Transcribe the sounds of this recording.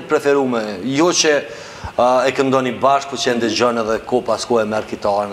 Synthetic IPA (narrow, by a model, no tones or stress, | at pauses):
pɾɛfɛɾumɛjɔt͡ʃə | ɛkənd̪ɔnibaʃkut͡ʃɛnd̪ɛd͡ʑɔnɛðɛkɔpaskɔɛmɛɾkit̪an